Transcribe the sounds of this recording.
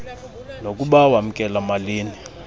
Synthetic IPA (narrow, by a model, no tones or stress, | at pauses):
nok̬ʼuɓawam̩kʼɛlamaliːni